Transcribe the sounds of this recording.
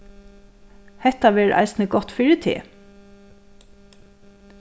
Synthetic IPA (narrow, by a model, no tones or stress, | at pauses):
hɛt̪aʋɛːɹʔa̰ɪsnəɡɔt̪fɪɹɪt̪ʰɪ̰